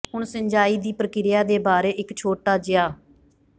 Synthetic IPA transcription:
ɦʊɳsəɲd͡ʒaːiːd̪iːpɾəkɪɾɪjaːd̪eːbaːɾeːʔɪkt͡ʃʰoːʈaːd͡ʒɪaː

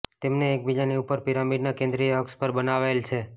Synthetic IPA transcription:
t̪emneːk̚bid͡ʒaniupəɾpiɾamiɖnakẽnd̪ɾijɔkspəɾbənaʋjlt͡ʃʰe

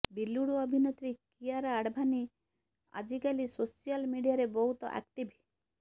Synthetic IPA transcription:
biluɽuɔbʱinot̪ɾikijaɾaːɽbʱani | a̰d͡ʒikalisosijalmiɽijaɾebɔɦut̪ɔ̰ʔa̰k̚ʈibʱi

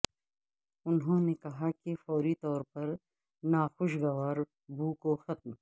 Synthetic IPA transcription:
ʊnɦõːnekɐɦakefɔːɾit̪ɔːɾpɐɾ | naːxʊʃ̬ɡɐʋaːɾ | bʱuːkoxɐt̪̚m

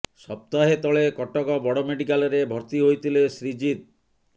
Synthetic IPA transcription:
sɔp̚t̪aɦet̪ɔɭekɔʈɔkɔbɔɽomeɖikalɔɾebʱɔɾt̪iɦojt̪ʰilesɾid͡ʒit̪̚

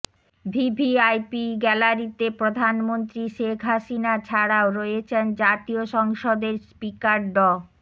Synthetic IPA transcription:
bʱibʱiajpiɡɛlaɾit̪epɾod̪ʱanmont̪ɾiʃekʰɦaʃinat͡ɕʰaɽaoɾoet͡ɕʰend͡ʑat̪ioʃɔŋʃod̪eɾspikaɾɖɔ

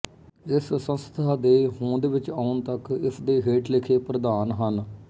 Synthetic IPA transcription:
ɪssə̃nst̪ʰaːd̪eːɦõːnd̪eːʋɪt͡ʃaːʊɳt̪əkɪsd̪eːɦeːʈlɪkʰeːpɾəd̪aːnɦən

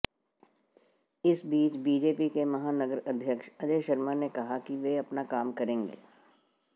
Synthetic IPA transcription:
ɪsbiːt͡ʃbiːd͡ʒeːpikemɐɦaːnəɡəɾɐd̪ʱjəkʃɐd͡ʒeːʃɐɾmanekɐɦakiʋeɐpnakaːmkɐɾẽːŋɡḛː

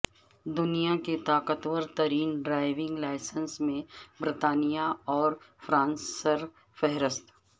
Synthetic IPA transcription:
d̪ʊnijaket̪aːkət̪wəɾt̪ɐɾiːnɖɾaːɪʋɪ̃ŋɡlaːɪsənsmẽbɾɪt̪aːnijaɔːɾfɾãːnsːəɾ | fɛɦɾəst̪

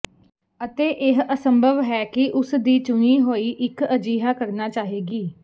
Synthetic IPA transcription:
ət̪eːʔɪɦəsəmbʱəʋɦɛːkɪʔʊsd̪iːt͡ʃʊñiːɦoːiːʔɪkəd͡ʒiːɦaːkəɾnaːt͡ʃaːɦeːɡiː

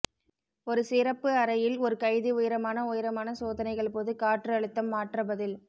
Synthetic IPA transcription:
ɔɾɯsɪɾɐpːɯɐɾɐjɪlɔɾɯkɐɪðiʊjɪɾɐmaːnɐʊjɪɾɐmaːnɐsoːðɐnɐɪɣɐɭpoːðɯkaːʈrɯɐɭɯt̪ːɐmːaːʈrɐbɐðɪl

